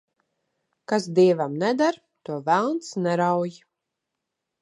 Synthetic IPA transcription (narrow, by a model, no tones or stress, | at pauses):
kasd̪iɛvamnɛd̪aɾ | t̪uɔvælˠnt̪snɛɾawj